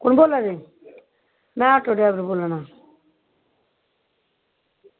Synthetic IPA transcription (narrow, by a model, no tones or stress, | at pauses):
kunbolːaɾi | naːʈodebɾbulːana